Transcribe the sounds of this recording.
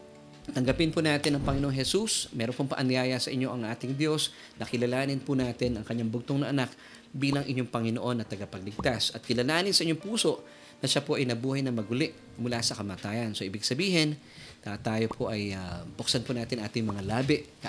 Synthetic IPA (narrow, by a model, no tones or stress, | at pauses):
t̪ɐŋɡɐpɪnponaːt̪ɪnɐŋpɐŋɪnoʔoŋɦɛsusmɛːɾonpoŋpɐ̰ʔɐnɪjaːjɐsɐʔɪɲːo̞ʔɐŋʔaːt̪ɪŋd̪jo̞s | nɐkɪlɐlaːnɪnpʊnaːt̪ɪnɐŋkɐɲːaŋbʊɡ̚t̪oŋnɐʔɐnak̚ | biːlɐŋʔɪɲːoŋpɐŋɪno̞ʔo̞nːɐt̪ɐɡɐpɐɡ̚lɪɡ̚t̪asɐt̪̚kɪlɐlaːnɪnsɐʔɪɲːo̞ŋpuːso̞ʔ | nɐʃapoʔɐjnɐbuːhɐjnɐmɐɡʊlɛʔ | mʊlasɐkɐmaːt̪aːjɐnso̞ʔɪbɪɡsɐbiːɦɛn | t̪at̪aːjo̞pʰo̞ʔɐjabʊksanponaːt̪ɪnɐŋʔaːt̪ɪŋmɐŋalaːbɪʔkɐ